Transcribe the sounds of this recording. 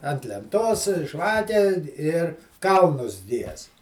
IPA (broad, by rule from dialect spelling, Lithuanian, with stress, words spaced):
ɐnt lʲɛnˈtoːs ˈʒʋɑːkʲɛ ɪr ˈkɐlˠnʊs ˈɡʲiɛst